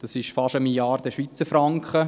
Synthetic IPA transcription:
d̥ɑsɪʃfɑʃəmiljɑːɾdəʃʋit͡səɾfɾɑŋkχə

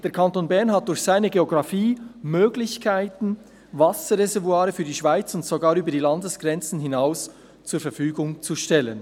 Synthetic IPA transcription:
d̥eːɐɾkʰɑntonbɛɐnɦat̚d̥ʊɾçsaɪnəɡeoɡʁɑfiːmøːɡlɪçkʰaɪtn̩ | vɑsəʁezɛɐvuaːɾəfyːɐdiːʃv̥aɪt͡sʊntsoɡaːɾyːbɐdiːlɑndəsɡ̥ʁɛnt͡sn̩ɦɪnaʊs | t͡suːɐfɛɐfyːɡʊŋt͡suʃtɛlən

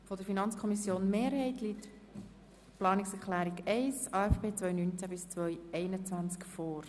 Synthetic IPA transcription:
fodəɾfinɑnt͡skʰɔmisjoːnmeːɾhɛɪtʰlit | plɑːnɪksɛklæːɾiɡɛɪsɑːɛfpeːt͡svœjnynt͡sæbɪst͡svʋœʏɛɪnət͡sʋænt͡skfoːɾ

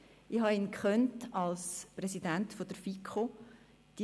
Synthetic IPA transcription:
ihɑinkχœntɑlspɾɛsidæntfod̥əɾfikχo | d̥i

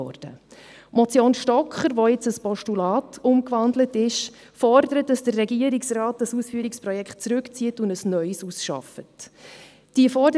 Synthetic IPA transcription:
ɔ̰d̥ə̰ | mɔt͡sjoːnʃtɔkχəɾʋoɪt͡səspɔʃtulɑːtʰʊmkʋɑndlətɪʃ | fɔrdəɾət̚d̥ɑsd̥ərːɛɡiəɾiksrɑːt̚dɑsusfyːɾiksprɔjɛkχt̚t͡sɾʉkt͡siətʊndəsnœʏsusʃɑ̰fət | d̥iəfɔdə

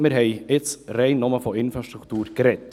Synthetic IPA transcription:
mɪɾɦɛɪɪt͡sreɪnːɔməfɔɪnfɾaʃtɾukʰt̪uːɾkɾɛt

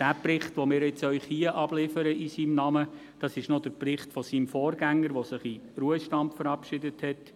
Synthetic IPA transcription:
d̥æːprɪχtʋomɪːɾjɛt͡sœʏχhiəʔɑb̥lɪfəɾəʔisiːmnɑmə | d̥ɑsɪʃnodəɾprɪχtfɔsiːmfɔːrɡæŋːəɾʋosɪχiɾuəʃtɑmpfəɾɑpʃɪdəthɛt

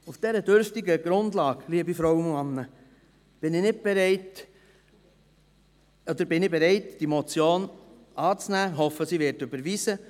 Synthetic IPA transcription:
ufd̥ɛɾəd̥øɾftɪɡəɡ̥ɾʊndlɑːkliːəbifɾɔwnmɑnːə | b̥ɪnɪnɪt̚b̥ɛɾɛɪt | ɔd̪əɾbɪnɪbɛɾɛɪtd̥imɔt͡sjoːn | ʔɑːt͡snæːɦɔfəsivɪɾtʏbəɾviːsə

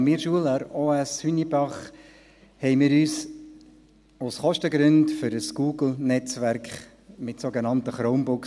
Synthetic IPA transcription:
mɪːɾʃuəlɑɾoːæshynibɑχ | hɛɪmɪːɾyːs | asχɔʃtəɡɾʏndfʏɾəsɡ̥uːɡl̩ˠnɛt͡sʋæɾkχ | mɪtsoɡenɑntəχɾoʊmbʊk

